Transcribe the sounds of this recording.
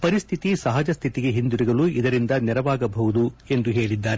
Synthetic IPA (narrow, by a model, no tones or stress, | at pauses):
pɐɾist̪ʰit̪isɐɦɐd͡ʒɐst̪ʰit̪iɡeɦind̪uɾiɡɐɭuid̪ɐɾind̪ɐnɛɾɐʋaːɡɐbɐʋud̪ue̞nd̪uɦe̞ːɭid̪ːaːɾe